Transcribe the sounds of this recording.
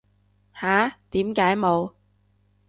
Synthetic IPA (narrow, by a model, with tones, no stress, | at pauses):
haː˨˥˦t̪iː˨˥mkaː˨˥jmo˨˧w